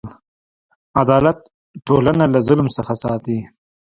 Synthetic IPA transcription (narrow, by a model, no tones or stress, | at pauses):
ad̪ɑlat̪̚ | ʈolanalazʊlmsəxasɑt̪i